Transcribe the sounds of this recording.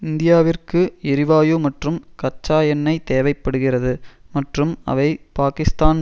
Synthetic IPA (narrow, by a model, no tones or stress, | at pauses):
ɪnd̪ɪjaːʋɪrkɯɪɾɪʋaːjoːmɐʈrɯmkɐt͡ʃːaːjɐnːɐɪt̪eːʋɐɪpːɐɽɯɣɪrɐðɯmɐʈrɯmɐ̰ʋɐɪpaːkɪst̪aːn